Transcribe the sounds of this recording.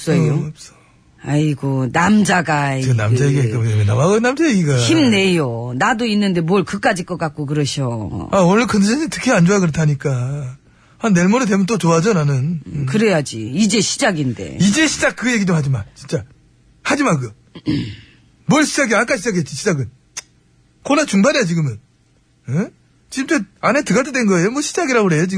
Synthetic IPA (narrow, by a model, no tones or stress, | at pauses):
s͈ʌops͈ʌ̥ | ajiɡonamd͡ʑaɡanamd͡ʑajeɡiak͈amoɲamjenamaɡʌnːamd͡ʑajeɡiɡaçimne̞jonadoinːɯnde̞mwʌɭkɯk͈ad͡ʑik͈ʌk͈ak̚k͈ok̬ɯɾʌɕʰoaonɯɭkɯndesʰeɲintʰɯ̥kʰeand͡ʑoakɯɾʌtʰaɲik͈a | hanːe̞ɭmoɾɯt̬emʌnt͈ot͡ɕoad͡ʑʌnanɯnkɯɾe̞jad͡ʑḭid͡ʑe̞ɕʰid͡ʑaɡinde̞̰id͡ʑe̞ɕʰid͡ʑak͈̚ːɯje̞ɡidohad͡ʑimat͡ɕint͡ɕ͈a | had͡ʑimak̬ɯʌ | mwʌɭɕʰid͡ʑaɡiak͈aɕʰid͡ʑak̬ʰet͡ɕ͈iɕʰid͡ʑaɡɯn | konat͡ɕuŋbanejat͡ɕiɡɯmjʌn | e | t͡ɕiɯmtʰeanetɯɡat͈ʰedwenɡʌejomwʌɕʰid͡ʑaɡiɾaɡoɾe̞jot͡ɕiɡ